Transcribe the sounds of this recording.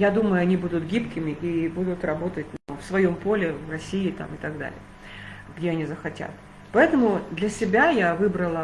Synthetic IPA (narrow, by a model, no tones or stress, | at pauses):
jad̪uməjʊɐnʲibud̪ʊt̪ɡʲipkʲɪmʲɪʔibud̪ʊt̪rɐbo̞t̪ət̚ʲnfsvɐjo̞mpo̞lʲɪvrɐsʲiɪt̪a̰mɨt̪ɐɡd̪a̰lʲɪ̰jə | ɡdʲe̞ɐnʲizəxɐtʲa̰t̪̚ | pɐɛt̪əmʊd̪lʲɐsʲɪbʲajavɨbɾəlˠə